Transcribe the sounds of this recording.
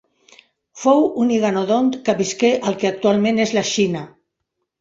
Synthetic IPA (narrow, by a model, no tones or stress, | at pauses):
fowuniɣanoðont̪kəβiskeʔəlˠkeak̚t̪ualˠmẽnezlaʃina